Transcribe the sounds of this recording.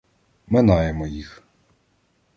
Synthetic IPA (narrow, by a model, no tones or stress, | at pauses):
mɪnɑjemɔjix